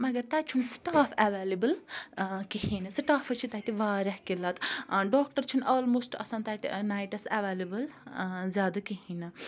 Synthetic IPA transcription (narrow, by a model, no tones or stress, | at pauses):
mɐɡɐɾt̪aːt͡ʃʰunsʈaːfʰɐʋeːlibəl | kiɦinɐsʈaːfʰɐt͡ʃʰit̪aːt̪iʋaːɾɐhkilɐt̪ɖɔːkʈɐɾt͡ʃʰunɔːlmoːsʈɐ̰sãːnt̪at̪ḭnaːjʈɐsɐʋeːlibɐlzjaːd̪ɐkiɦinɨ